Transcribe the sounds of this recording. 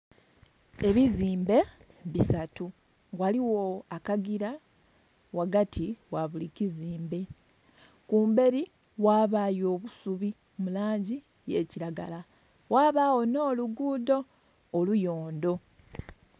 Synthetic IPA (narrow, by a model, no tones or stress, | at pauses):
e̞βiziːmbe̞ | βisatu | waliwo̞akaɡiɾa | waɡatʰiwaβuliciziːmbe̞ | kuːmbe̞ɾi | waːβajo̞ːβusuβi | mulaːɲɟi | je̞ːciɾaɡa̰la | waːβaːwo̞no̞ːluɡuːdo̞ː | lujo̞ːndo̞